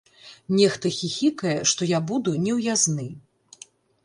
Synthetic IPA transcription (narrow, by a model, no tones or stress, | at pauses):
nʲɛxt̪ɐxʲixʲikɐjɛʂt̪ɔjabud̪unʲɛwjaznɨ